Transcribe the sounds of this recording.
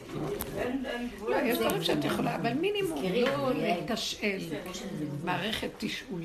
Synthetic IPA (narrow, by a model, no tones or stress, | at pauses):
lojeʃd̪vaʁimʃeat̪jeχolaːvalminimumloletaʃel | maːʁeχetːiʃul